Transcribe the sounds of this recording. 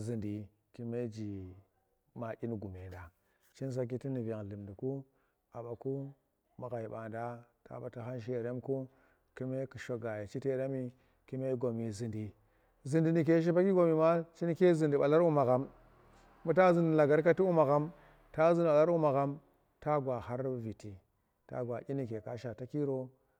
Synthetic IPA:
zi˨ndi˨ | ki˨me˦d͡ʒi˨ | ma˨ʔi˦nɡu˨me˨da˨ | t͡ʃi˦ns̬a˦k̬i˦ti˦ni˨va˨ŋ˨li˨mdi˨ku˦ | a˨ba˨ku˦ | ma˨ɣa˨i˨ɓa˨nda˦ta̰˨ba˨ta˨ɦa˦nʃ̬e˨ɾe˦mku˦ | ki˦me˦ku˨ʃo˨ɡa˨ja˨t͡ʃi˦te˦da˦mi˨ | ki˦me˦ɡo˨mi˨zi˨ndi˨ | zɨ˨ndi˨ni˨k̬e˦ʃ̬i˦pa˦ki˦ɡo˨mi˨ma˦t͡ʃi˦n˦ke˦zi˨ndi˨ɓa˨la˦ɾu˦ma˨ɣa˨mː | u˦t̬a˦zi˦n˨la˨ɡa˦ɾka˦ti˦u˦ma˨ɣa˦m | ta˦zɨ˦n˨ɓa˨la˦ɾu˦ma˨ɡa˦m | ta˦ɡwa˨ha˦ɾvi˨ti˨ | ta̰˦ɡʷwa˨ʔi˦ni˦˨ke˨ka˨ʃa˨ta˦ki˦ɾo˦

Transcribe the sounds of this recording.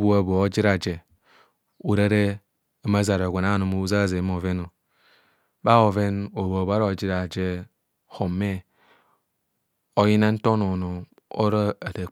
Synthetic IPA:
bu˦a˨bo˨o˦d͡ʒi˦ɾa˨d͡ʒe˨ | u˨ɾa˦ɾe˦ | a˦ma˦za˨ɾa˨ɡʷe˨na˦˨no˨mo˦u˦za˦˨ze˨˦m˦o˨ve˦no˨ | ba˦o˨ve˦no˨bo˨ba˦ɾo˨d͡ʒi˦ɾa˨d͡ʒe˦ | ho˨mːe˦ | o˦ji˦na˦n̩˦to˦no˨no˨ | o̰˦ɾa˦a˨de˨

